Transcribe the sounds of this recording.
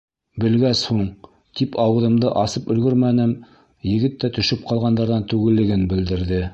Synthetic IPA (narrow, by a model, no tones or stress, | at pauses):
bɘ̆lɡæshuɴ | t̪ipʰɑwɤ̆ðɤ̆md̪ɤʔɑsɤpɵ̆lɡɵɾmænɘm | jɘ̆ɡɘt̪ːæt̪ɵ̆ʃɘp̚qɑlˠʁɑnd̪ɑɾðɑnt̪ʉɡɘ̆lːɘ̆ɡɘnbɘ̆ld̪ɘ̆ɾðɘ